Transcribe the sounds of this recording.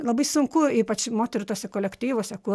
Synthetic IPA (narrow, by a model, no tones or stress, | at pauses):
lobisumkuipat͡ʃmot̪eɾt̪osekolʲekt̪iʋosɛku